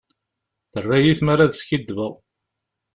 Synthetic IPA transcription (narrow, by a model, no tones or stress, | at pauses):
θərːæjiθmaɾaðskid̪ːvəðˤ